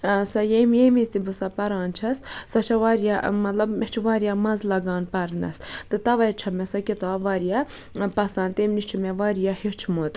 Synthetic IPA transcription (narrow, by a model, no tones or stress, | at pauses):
sɐjemjemizt̪ibɨsapɐɾɑːnt͡ʃʰɐssɐt͡ʃʰɐʋaːɾjamɐt̪lɐbmet͡ʃʰʋaːɾijamɐnzlɐɡɑːnpɐɾnɐ̰st̪ɨt̪ɐʋɐjt͡ʃʰɐmɛsɐkʲit̪aːbʋaɾija | pɐsaːnt̪emniʃt͡ʃʰimeʋaɾijahit͡ʃʰmot̪ʼ